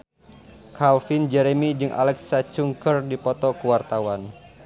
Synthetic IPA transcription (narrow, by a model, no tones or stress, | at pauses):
kʰalfind͡ʒɛɾemid͡ʒɨŋʔa̰lɛksat͡ʃuŋkərdipɔt̪ɔkəwart̪awan